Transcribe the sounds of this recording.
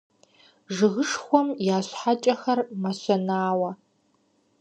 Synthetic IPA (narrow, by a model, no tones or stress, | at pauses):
ʐɨɣəʂxʷɔmjaːɕħat͡ʃʼɐxɐrmɐɕʷɐnaːwɐ